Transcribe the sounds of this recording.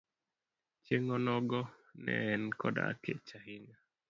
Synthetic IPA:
t͡ʃeŋɔnɔɡɔnɛ̰nkʰɔda̰ket͡ʃaɦiɪŋa

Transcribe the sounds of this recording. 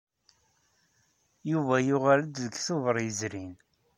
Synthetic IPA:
juvæjʊʁaləd̪ðəɡθʊvəɾˤjəzɾin

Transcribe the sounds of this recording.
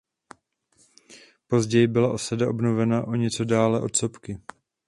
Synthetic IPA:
po̞zɟɛjɪbɪlaʔo̞sadaʔo̞bnovɛnaʔoɲɛt͡so̞daːlɛʔo̞t̪so̞pkɪ

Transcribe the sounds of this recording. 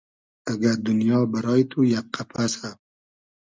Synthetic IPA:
aɡaɾd̪ʊnjɑːbaɾɑːjit̪ʰujak̚qʰːapʰasa

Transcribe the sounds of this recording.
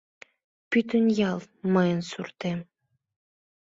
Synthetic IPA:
pyt̪ənjɑlˠ | mɤjə̆nsurt̪e

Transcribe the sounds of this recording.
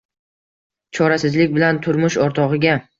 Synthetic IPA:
t͡ʃʰɒɾasɪzlɪkʲbɪlant̪ʰʊɾmʊʃɒɾt̪ʰɒʁɨɡʲa

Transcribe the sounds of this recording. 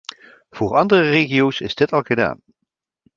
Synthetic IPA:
v̥ʊːɹɑndərəreːχijowsɪzdɪtɑlˠɣəda̰ːn

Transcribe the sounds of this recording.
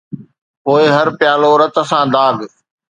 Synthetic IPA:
poːɪɦɐɾpjaːloːɾət̪əsãːd̪aːɡ

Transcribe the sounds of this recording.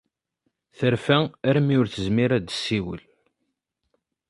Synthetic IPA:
θəɾfææɾmiʊɾθəzmiɾæd̪əsːiwə̰l

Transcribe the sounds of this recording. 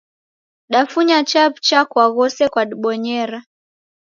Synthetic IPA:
ɗafuɲat͡ʃapt͡ʃakwaɣɔsɛkwaɗiɓɔɲɛɾa

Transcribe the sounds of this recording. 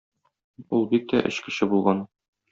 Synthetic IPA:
ulˠbik̚t̪æ̰ʔɘ̰̆ɕkɘ̆ɕɘbulˠʁɑn

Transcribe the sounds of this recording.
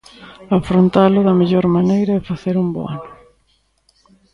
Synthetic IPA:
afɾont̪alʊðɐmeʎoɾmanejɾɐðɪfaθeɾumbo̰a̰nʊ

